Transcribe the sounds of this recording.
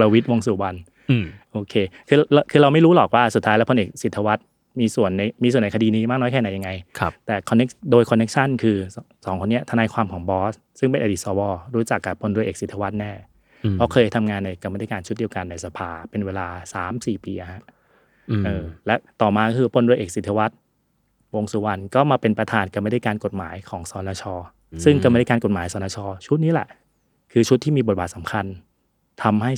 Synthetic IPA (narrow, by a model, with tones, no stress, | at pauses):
la˧wi˦˥t̪̚wo˧ŋsuː˨˩wa˧n | ʔoː˧kʰeː˧kʰɯː˧lkʰɯː˧ɾa˧wma˥˩jɾuː˦˥lɔː˨˩k̚waː˥˩suː˨˩aː˦jlɛ˦˥pʰo˧nʔeː˨˩k̚si˨˩t̪ʰːa˧wa˦˥t̪̚ | miː˧su˨˩ənːa˧jmiː˧su˨˩əna˧kʰa˧diː˧niː˦˥ma˥˩k̚nɔː˦˥jkʰɛː˥˩na˨˩˦ja˧ŋa˧jʰt̪ɛː˨˩kʰɔ˧nːe˦˥k̚doː˧jkʰɔ˧nːe˦˥k̚t͡ɕʰa˥˩nkʰɯː˧ | sɔː˩˦ŋkʰo˧nːi˦˥ɐt̪ʰa˧naː˧jkʰwaː˧mkʰɔː˩˦ŋbɔː˦˥s | sɯ˥˩ŋpe˧nʔa˧diː˨˩t̪̚sɔː˧˦wɔː˧ɾuː˦˥t͡ɕa˨˩kːa˨˩pʰːo˧ndɾu˧jʔeː˨˩si˨˩t̪ʰːa˧wa˦˥t̪̚nɛː˥˩ | ɔ˦˥˩kʰɤː˧jt̪ʰa˧mŋaː˧nːa˧˩jkɔ˥˩ma˥˩da˥˩kaː˧nt͡ɕʰu˦˥t̪̚di˧əwka˧nːa˧jsa˧pʰaː˧pe˧nweː˧laː˧saː˨˩˦msiː˨˩piː˧ʔa˨˩ha˦˥ʔ | ʔɤː˧lɛ˦˥t̪ɔː˨˩maː˧kɔ˥kʰɯː˧pʰo˧ndɾu˧jʔeː˨˩k̚si˨˩t̪ʰːa˧wa˦˥t̪̚ | wo˧ŋsu˨˦wa˧nkɔː˥˩maː˧pe˧npɾa˧t̪ʰaː˧nka˧˩m˥˩jda˥˩jkaː˧nko˨˩t̪̚maː˩˦jkʰɔː˩˦ŋsɔː˨˧˦naː˧t͡ɕʰɔː˧ | sɯ˥˩ŋka˥˩m˥˩da˥˩kaː˧n˩ko˨˩t̪̚maː˩˦jsɔː˧naː˧t͡ɕʰɔː˧t͡ɕʰu˦˥t̪̚niː˦˥lɛ̰˨˩ʔ | kʰɯː˧t͡ɕʰu˦˥t̪ʰːiː˥˩mi˧bo˨˩t̚baː˨˩t̪sa˩˦mkʰa˧n | t̪ʰa˧mha˥˩j